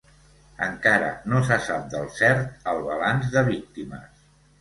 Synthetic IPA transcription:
ə̰ŋkaɾə̰nosəsap̚d̪əlˠsɛɾt̪əlˠβəlanzðəβ̞ik̚t̪imə̰s

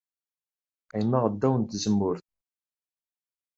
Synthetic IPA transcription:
æjmːæʁəd̪ːæwənt̪zəmːʊɾθ

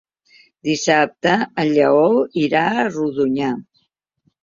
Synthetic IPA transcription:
d̪isap̚t̪əːʎəɔwiɾaəruðuɲa

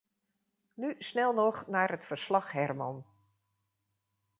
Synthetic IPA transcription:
nysnɛlˠnɔxnaːɹətfərslɑxhɛrmɔn

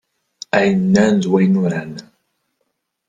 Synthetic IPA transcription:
æjnːænzwæjnuɾan

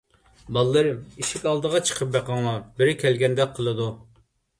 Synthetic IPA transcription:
bɑlˠːɨɾmiʃikʲɑlˠd̪əʁɑt͡ʃʰə̥qʰəp̚bɛqʰɑŋlˠɑbɪɾɪkʲʰɛlɡʲɛnd̪ɛqʰːəlˠɨd̪u

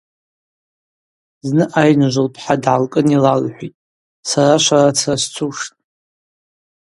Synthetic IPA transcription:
znɨʔajnʒʷɨlpʰħadʕalkʼɨnilalħʷitʼ | saraʃʷaɾat͡sʰast͡sʰuʂtʼ

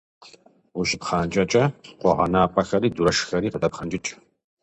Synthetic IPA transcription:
wuʃɪpχɑːnt͡ʃʼɐt͡ʃʼɐqʷɔ̰ʁɐ̰naːpʰʼɐxɐɾiːduɾɐʃxɐɾiːqədɐpχɐnd͡ʒʼɪt͡ʃʼ

